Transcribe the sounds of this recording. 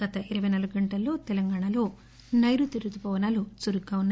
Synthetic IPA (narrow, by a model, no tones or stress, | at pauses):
ɡɐt̪ɐʔiɾɐʋɐjnaːluɡuɡɐɳʈɐlːo̞ːt̪ɛlɐŋɡaːɳalo̞ː | nɐjɾut̪iɾut̪upɔːʋɐnaːlut͡ʃuɾukːɐunː